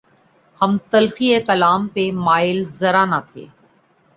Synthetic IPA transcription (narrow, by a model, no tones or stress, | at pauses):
hɐmt̪ɐlxiekɐlaːmpemaːɪlzɐɾanat̪ʰḛː